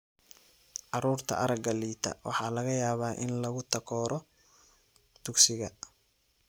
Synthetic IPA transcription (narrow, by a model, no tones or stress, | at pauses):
ʔɑɾuːrt̪ʰɐ̰ʔɐɾɐɡɐliːt̪ʰɐ̰wʔɑ̰ħɑːlɐɣɐjaːβaːʔɪnlɐɣʊt̪ʰɐkʰɔːɾʔɔ | d̪̥ʊɡsɪɣɐ